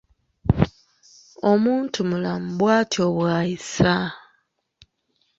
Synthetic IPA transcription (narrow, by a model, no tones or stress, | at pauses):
o̞muːntʰumulam̩bwaːtʰjo̞βwaːjisa